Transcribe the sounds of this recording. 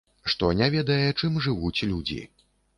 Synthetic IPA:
ʂt̪ɔnʲavʲɛd̪ɐjɛt͡ʂɨmʐɨvut͡sʲlʲud͡zʲḭ

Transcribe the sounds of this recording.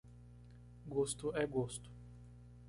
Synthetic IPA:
ɡost̪ʊɛɡost̪ʊ̥

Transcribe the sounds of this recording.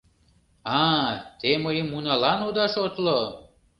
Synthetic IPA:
ɑt̪eməjəmːunɑlɑnud̪ɑʃot̪lo

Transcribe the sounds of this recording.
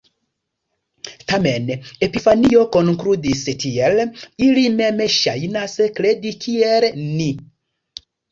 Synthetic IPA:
t̪amenepifaniokonkɾud̪istielilimemeʃajinasekledikʰiɛɾeni

